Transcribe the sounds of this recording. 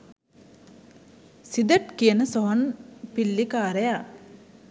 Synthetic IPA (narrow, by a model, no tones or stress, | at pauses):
sid̪əʈkijənəsoɦonpilːikaːɾeja